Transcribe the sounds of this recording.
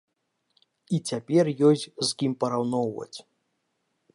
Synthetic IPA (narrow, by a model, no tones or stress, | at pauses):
it͡sʲapʲɛrjɔsʲzkʲimpɐɾawnɔwvɐ̰t͡sʲ